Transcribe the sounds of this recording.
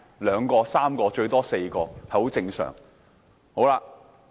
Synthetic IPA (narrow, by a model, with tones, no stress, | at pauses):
lœː˨˧ŋkɔː˧saː˥mkɔː˧t͡ʃɵ˧ɥt̪ɔː˥se˧jkɔː˧hɐ˨˩jho˨˥wt͡sɪ˧ŋsœ̰ː˨˩ŋ | ho˨˥wlaː˧